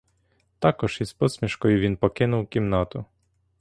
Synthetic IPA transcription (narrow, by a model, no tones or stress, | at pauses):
t̪ɑkɔʃispɔsʲmʲiʃkɔjʊʋʲinpɔkɪnʊwkʲimnɑt̪ʊ